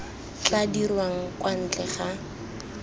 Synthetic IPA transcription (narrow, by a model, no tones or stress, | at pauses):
t͡ɬadirwaŋ̩kʼwan̩t͡ɬɛχa